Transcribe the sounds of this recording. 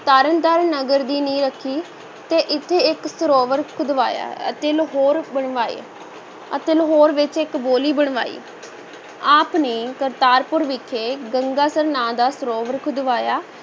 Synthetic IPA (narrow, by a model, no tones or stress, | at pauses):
t̪aːɾənt̪əɾnəɡəɾd̪iːnĩːɾəkʰːiː | t̪eːʔɪt̪ʰːeːɪksəɾoːʋəɾkʰʊd̪ʋa̰ːja̰ːət̪eːlɦoːɾbəɳʋaːḭ | ət̪eːlɦoːɾʋɪt͡ʃɪkboːliːbəɳ̃ʋa̰ːḭː | aːpneːkəɾt̪aːɾpʊɾʋɪkʰeːɡəŋɡaːsəɾnãːd̪aːsəɾoːʋəɾkʰʊd̪ʋaːjaː